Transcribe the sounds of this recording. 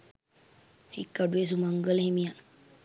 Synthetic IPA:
hḭkːaɖues̬umaŋɡəlɦemijan

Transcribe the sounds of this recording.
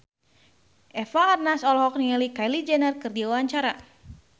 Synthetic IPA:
ʔɛfaːrnasɔlɦɔk̚nialikajlid͡ʒɛnərkɨrdiwawaɲt͡ʃaɾa

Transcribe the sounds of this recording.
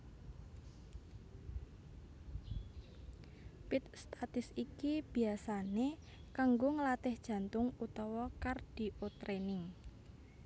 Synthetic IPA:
pɪt̪̚st̪at̪ɪsikib̥i̤asane | kaŋɡoŋəlat̪ɪhd̥ʒ̥ä̤nt̪ʊŋut̪ɔwɔkard̥i̤ʔot̪ɾenɪŋ

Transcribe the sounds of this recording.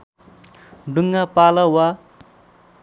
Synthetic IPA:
ɖuŋːapalawa

